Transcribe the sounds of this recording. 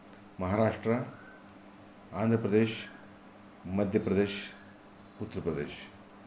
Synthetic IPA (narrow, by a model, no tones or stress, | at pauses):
mɐɦaːɾaːʂʈɾɐ | aːnd̪ʱɐpɾɐd̪eːʃ | mɐd̪ʱjɐpɾɐd̪eːʃ | ut̪ːɐɾəpɾɐd̪ḛːʃ